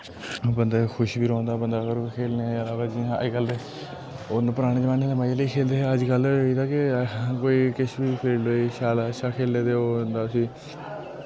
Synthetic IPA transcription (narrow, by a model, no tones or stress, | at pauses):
bənd̪aːkʰʊʃbʱiːɾɔ̃ːnd̪aːbənd̪aːkəɾkʰeːlneəlaːʋaːd͡ʒiːaikəle | onõːpəɾaːɽ̃ẽːd͡ʒəaːneːd̪əmaːiləiːkʰeːld̪eːəd͡ʒkəliːd̪aːkɪkoːiːkɪʃbiːpʰeɾloːiːʃaːlːəʃʰaːkʰeːleːd̪eːoːnd̪aːsĩː